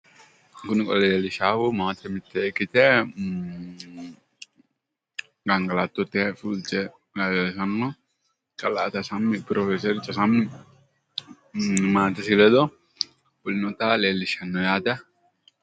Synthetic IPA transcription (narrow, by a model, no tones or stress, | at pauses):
kʊnɪkʼɔ̰leːlɪʃaːfumaːt̪ʰɛmɪt̪ːɛkːɪt̪ɛ | ɡɐŋɡɐlat̪ːɔt̪ːɛfult͡ʃɛ | ɡasɐnːɔ | kʼɐlaʔt̪ɐsɐmːɪpɪɾʔɔfɛsɛɾɪt͡ʃʼːɐsɐmːɪ | maːt̪ɛsɪlɛd̪ɔ | bʊlɪnɔt̪ɐleːlːɪʃɐnːɔjaːd̪ɐ